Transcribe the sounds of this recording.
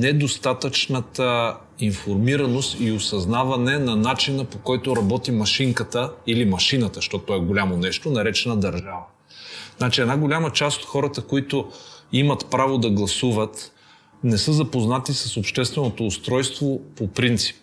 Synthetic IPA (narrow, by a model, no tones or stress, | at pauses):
nɛd̪ost̪at̪ət͡ʃnət̪ə | infoɾmiɾɐnost̪iosɐznavɐnɛnɐnat͡ʃinəpokɔjt̪oɾɐbɔt̪imɐʃiŋkət̪əilimɐʃinɐt̪əʃt̪ɔt̪ːɔɛɡolʲamonɛʃt̪onɐɾɛt͡ʃɛnɐd̪ɐɾʒavə | znat͡ʃiɛd̪aɡolʲamət͡ʃast̪o̥t̪xɔɾət̪əkoit̪ʊimɐt̪pɾavod̪ɐɡlˠɐsuvət̪ | nɛsɤzɐpoznat̪isɐsopʃt̪ɛst̪vɛnot̪oːst̪ɾɔjst̪vopopɾint̪si̥p̚